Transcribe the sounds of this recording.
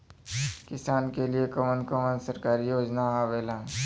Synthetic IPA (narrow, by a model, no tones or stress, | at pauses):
kɪsaːnkeliekɔːmənkɔːmə̃nsɐɾkaːɾijoːd͡ʒnaaːʋeːlãː